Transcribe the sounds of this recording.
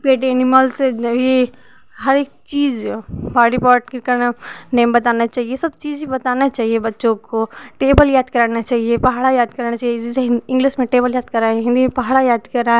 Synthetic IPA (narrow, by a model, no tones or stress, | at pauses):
peːʈeɐnimaːlsʋe | ɦɐɾek̚t͡ʃiːzbaːɖipɔːʈkkɐɽ̃nẽːmbɐt̪aːnat͡ʃaːɦijesɐbt͡ʃiːzibɐt̪aːnat͡ʃaːɦiebɐtːʃõkoʈeːbəljaːd̪kɐɾanat͡ʃaːɦiepɐɦaːɽajaːd̪kɐɾnat͡ʃaːɦeziseɪ̃ŋɡliʃmẽʈeːbəljaːd̪̚kɐɾaːɦɪ̃nd̪ʱimẽpɐɦaːɽajaːd̪kɐɾaː